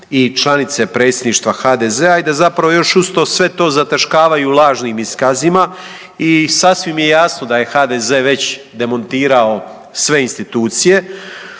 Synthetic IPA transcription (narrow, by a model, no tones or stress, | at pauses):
it͡ʃlˠanit̪se̞pɾe̞ːt̪sjed̪niːʃt̪ʋaxaːd̪ezeaid̪azapɾaʋo̞jo̞ʃust̪o̞sʋe̞t̪o̞ːzat̪aʃkaːʋajulˠaːʒniːmiskazima | isasʋimje̞jaːsno̞d̪aje̞xaːd̪eze̞ːʋe̞t͡ɕ | d̪e̞mo̞nt̪iːɾao̞ | sʋe̞inst̪it̪uːt̪sije̞